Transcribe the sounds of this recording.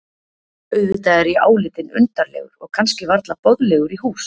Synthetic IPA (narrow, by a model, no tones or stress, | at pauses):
œɥvʏt̪aɛɾia̰ːwlɪt̪ɪnʏ̰nt̪aɾlɛ̰ːɣʏ̰ɾɔɣkʰanscɪvaɾt̪lapɔðlɛɣʏɾiɦuːs